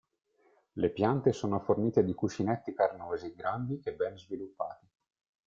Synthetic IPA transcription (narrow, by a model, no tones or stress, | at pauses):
lepjant̪esoːnoforniːt̪ed̪ikut͡ʃinɛt̪ːikarnoːziɡɾand̪iʔebːɛnzvilupːa̰ːt̪i